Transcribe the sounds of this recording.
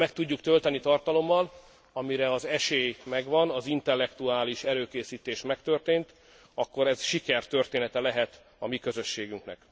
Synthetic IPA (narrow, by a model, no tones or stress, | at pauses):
mɛk̚t̪uɟːukt̪ø̞lt̪ɛnit̪ɒrt̪ɒlo̞mːɒl | ɒmiɾɛɒzɛʃeːjmɛɡʋɒnɒzint̪ɛlːɛkt̪uaːliʃɛɾøːkeːsiːt̪eːʃmɛkt̪ø̞rt̪eːnt̪ | ɒkːo̞ɾɛzʃikɛrt̪ø̞rt̪eːnɛt̪ɛlɛɦɛt̪ | ɒmikø̞zø̞ʃːeːɡyŋknɛ̰k